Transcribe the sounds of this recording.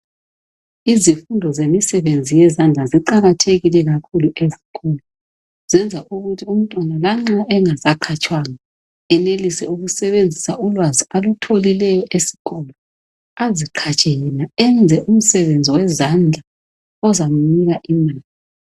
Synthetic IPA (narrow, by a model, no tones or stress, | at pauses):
izifundʱɔzemisɛβend͡zʱijɛzand͡ɮʱaziǃaɣatʰeɣilɛɣakʰuluʔeziɣʰɔlɔ | z̥ɛnd͡zʱaʔuɣutʰium̩tʼwanalaŋ͡ǁaʔɛŋazakʰat͡ʃʼwaŋa | ɛnelisɛuɣusɛβend͡zʱisaulwazialutʰolilɛjɔʔesi̥ɣɔlɔ | aziǃʰat͡ʃʼɛjɛnaɛnd͡zʱɛʔum̩sɛβend͡zʱiwɛzand͡ɮʱa | ɔzamuniɣaʔimaːli